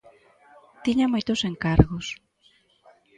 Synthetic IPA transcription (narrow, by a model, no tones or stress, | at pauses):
t̪iɲamojt̪oseŋkaɾɣos